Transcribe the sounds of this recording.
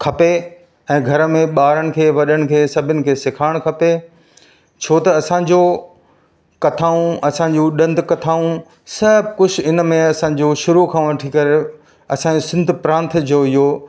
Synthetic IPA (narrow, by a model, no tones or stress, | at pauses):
kʰɐpe | ɛ̃ːɡʱɐɾəmẽɓaːɾəɽ̃ɪ̆kʰeːʋɐɗəɽ̃ɪ̆kʰeːsɐbʱɪnɪ̆kʰeːsɪkʰaːɪɽ̃kʰɐpe | t͡ɕʰoːt̪ɐːsã̆d͡ʑoː | kɐt̪ʰaːũʔɐsãɲd͡ʑuɗɐ̃nd̪ʱkɐt̪ʰaːũ | sɐbʱkʊd͡ʑʰɪ̆ɪnmẽɐsã̆ːd͡ʑoːʃʊɾukʰãːʋɐʈʰikɐɾe | ɐsãːd͡ʑosɪ̃nd̪ʱpɾãːnt̪ʰd͡ʑoːɪɦo